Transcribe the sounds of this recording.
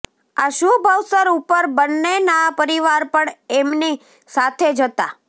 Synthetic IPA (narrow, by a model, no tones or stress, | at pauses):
aʃubʱəwsəɾupəɾbənːenapəɾiʋaɾpəɳemni | sat̪ʰed͡ʒət̪a